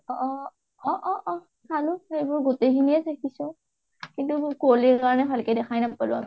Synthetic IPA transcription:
ɔʔɔ | ɔʔɔʔɔ | kʰalʊhejbʊɹɡotejkʰiniɛsakʰisʊ̃ | kintukolikaɹɔnɛbʰalkɛdɛkʰajnapalʊa̰mi

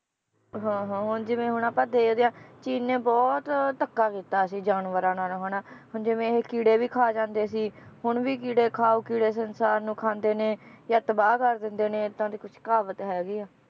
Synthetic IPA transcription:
ɦãːɦãːɦʊnd͡ʒɪʋẽːɦʊɳaːpãːd̪eːkd̪eːãːt͡ʃiːnːẽːbɔːt̪t̪əkːaːkiːt̪aːsiːd͡ʒaːnʋəɾãːnaːlːɦoːnaːhʊnd͡ʒɪʋẽːkiːɽeːʋiːkʰaːd͡ʒãːnd̪eːsiːhʊɳʋiːkiːɽeːkʰaːuːkiːɽeːs̬ənsaːɾnũːkʰãːnd̪eːnẽːjaːt̪əbaːkəɾd̪ɪnd̪eːneːt̪ãːd̪iːkʊt͡ʃʰkaːʋət̪ɦɛːɡiːaː

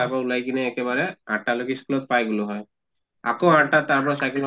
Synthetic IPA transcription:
akɔulajkinɛːkɛbaɹɛã̰ʈːalokiskulɔt̪̚pajɡulʊɦɔj | akoãʈːat̪apɔnasajkɔl

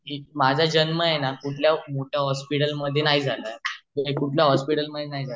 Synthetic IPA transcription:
ɦimad͡zʱad͡ʑənməjenakuʈʰljamoʈʰjaɦɔspiʈəlməd̪ʱːjenaɦid͡zʱaləəekuʈʰljaɦɔspiʈəlməd̪ʱjenaɦid͡zʱa

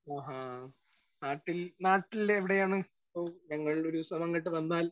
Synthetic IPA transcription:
aːɦa | naːʈːilnaːʈːilːeːʋiɽe̞jaːɳɨ | pːoːɲɐŋːɐɭɭo̞ɾusɐmɐŋːiʈːɨʋɐnːaːl

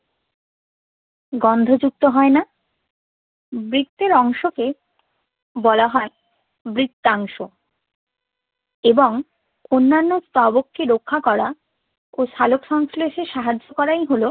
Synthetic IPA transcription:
ɡɔnd̪ʱod͡ʑuk̚t̪oɦɔena | bɾit̪ːeɾɔŋʃoke | bɔlaɦɔ | bɾit̪ːaŋʃo | eboŋ | onːanːost̪abokːeɾokʰːakɔɾa | oʃalokʃɔŋsleʃeʃaɦad͡ʑːokɔɾajɦolo

